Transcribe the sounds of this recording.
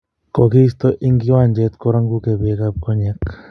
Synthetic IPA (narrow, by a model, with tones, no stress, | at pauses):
ko˨ki˦st̪ɔ˦ʔi˦ŋɡi˦wa˦˨nd͡ʒɛ˦t̪kɔ˦ɾa˦ŋɡu˦ke˨be˨˦ka˦p̚kɔ˦ɲɛ˦k